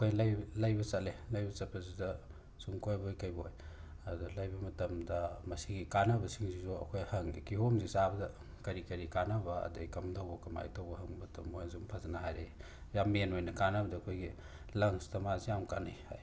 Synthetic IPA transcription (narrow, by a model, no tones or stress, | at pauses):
ɐkʰojlɐjlɐjbɐsɐlelɐjbɐt͡ʃɐpʰːɐzidɐ | suŋkʰojbojkɐjboj | ɐdulajbɐmɐtɐmdɐmɐsiɡikanɐbɐsiŋzizoɐ̰kʰojhɐŋḭkiɦomzizabɐdɐ | kɐɾikɐɾikanɐbɐɐ̰dḛikɐmdawbɐkɐma̰jtʰɐwbɐɦɐŋbɐtʰɐmːojzumpʰɐzɐnaɦajɾe | jamːenojnɐkanɐbɐdɐːkʰojɡi | lɐŋstɐmazijamkanajha̰j